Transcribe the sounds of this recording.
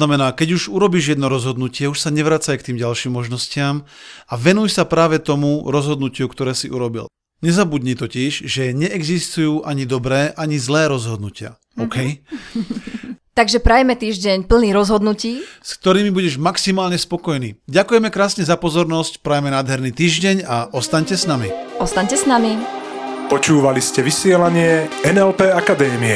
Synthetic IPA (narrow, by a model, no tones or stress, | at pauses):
namɛnaːkɛɟuʒuɾɔbiːʒjɛd̪nɔɾɔzɦɔd̪nucɪɛuʃsaɲɛʋɾaːt͡sajkt̪iːmɟalʃiːmːɔʒnɔscɪamaʋɛnujsapɾaːʋɛt̪ɔmuɾɔzɦɔd̪nucɪukt̪ɔɾɛːsiʔuɾɔbḭl | ɲɛzabud̪ɲiːt̪ɔcɛʒʒɛɲɛʔɛɡzist̪ujuːʔaɲid̪ɔbɾɛːʔaɲizlɛːɾɔzɦɔd̪nucɪa̰ | ɔkɛj | t̪aɡʒɛpɾajmɛt̪iːʒɟɛɲpl̩niːɾɔzɦɔd̪nuciːskt̪ɔɾiːmibuɟɛʒmaksimaːlɲɛspɔkɔjnḭːɟakujɛmɛkɾaːsɲɛzapɔzɔɾnɔscpɾajmɛnaːd̪ɦɛɾniːt̪iːʒɟɛɲaʔɔst̪aɲcɛsnamiɔst̪aɲcɛsnami | pɔt͡ʃuːʋaliscɛʋisɪɛlaɲɪɛɛnɛlpɛːakad̪ɛːmiɛ